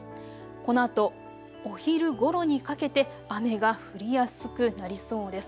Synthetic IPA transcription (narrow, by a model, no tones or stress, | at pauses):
ko̞no̞at̪o̞ | oçiɾɯ̟ɡo̞ɾo̞ɲ̟ikake̞t̪e̞ | ame̞ɡaɸɯ̟ɾʲijasɨ̥kɯ̟naɾʲiso̞ːd̪e̞sɨ̥